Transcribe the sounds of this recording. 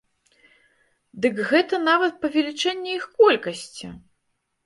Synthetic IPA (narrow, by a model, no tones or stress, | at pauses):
d̪ɨkɣɛt̪ɐnavɐt̪̚pɐvʲɛlʲit͡ʂɛnʲːɛixkɔlʲkɐsʲt͡sʲḭ